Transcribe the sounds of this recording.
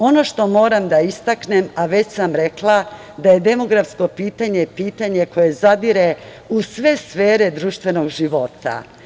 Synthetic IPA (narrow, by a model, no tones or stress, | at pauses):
o̞no̞ʃt̪o̞mo̞ːɾamd̪aist̪aknemaʋe̞t͡ɕsamɾe̞klˠa | d̪aje̞d̪e̞mo̞ɡɾafsko̞piːt̪aɲe̞piːt̪aɲe̞ko̞je̞zad̪iɾe | usʋe̞sfeːɾe̞d̪ɾuːʃt̪ʋe̞no̞ɡʒiʋo̞t̪a̰